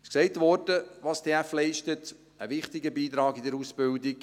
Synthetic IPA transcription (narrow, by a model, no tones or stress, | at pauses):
ʃksɛɪtʋɔɾdəʋɑst̪ʰeːæflɛɪʃtət | əʋɪχtɪɡəbiːt̪ɾɑːɡɪdəɾusb̥ɪldɪk